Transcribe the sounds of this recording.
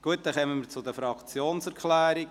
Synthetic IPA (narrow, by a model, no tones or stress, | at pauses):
ɡ̥uət̚d̥̪ɛχɛmənmiːɾt͡sʊd̪əfɾɑkt͡sjoːnsɛɾkʰlɛːɾi